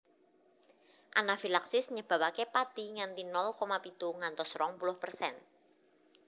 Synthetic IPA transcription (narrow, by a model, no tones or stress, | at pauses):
ʔanafilaksɪsɲəb̥ä̤wakepad̪̥i̤ŋant̪inɔlkomapit̪uŋant̪ɔsɾɔŋpulʊhpərsɛn